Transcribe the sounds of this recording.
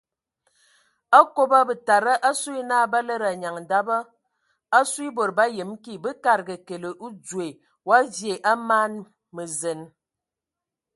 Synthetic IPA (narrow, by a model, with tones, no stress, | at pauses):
a˦ko˦bə˦bə˨ta˨ɾə˦ʔa˦swi˦naː˦ba˦lə˦ɾa˨ɲa˨ŋ˨da˦bə˦ | a˦swi˦bo˨ɾba˦jə˨˦mki˦bɨ˦ka˨ɾɡə˨ke˨lə˨ʔu˦d͡zwe˨ | wa˦zje˨ʔa˦maː˦n | mə˨zə˨n